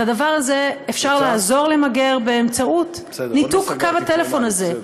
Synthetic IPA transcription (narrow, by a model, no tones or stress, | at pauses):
adavaʁazeefʃaʁlaːzo̞ʁle̞maɡe̞ʁbeːmt͡saut | nitukkavatele̞fo̞naze